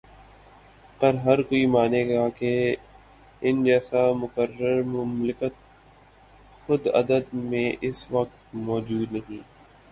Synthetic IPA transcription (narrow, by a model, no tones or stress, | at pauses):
kəɾɦɐɾkoːimaːneɡaːke | ɪnd͡ʒɛːsamʊkəɾəɾmʊmlɪkət̪̚ | xʊd̪ɐ̰d̪əd̪mẽʔɪsʋɐk̚t̪mɔːd͡ʒuːd̪nɐɦĩː